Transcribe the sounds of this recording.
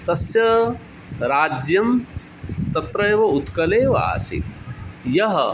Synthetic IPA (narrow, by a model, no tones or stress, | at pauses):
t̪ɐsjɐ | ɾaːd͡ʒjɐm | t̪ɐt̪ɾɐjʋɐut̪kɐleːʋɐ̰a̰ːsḭjɐɦɐ̰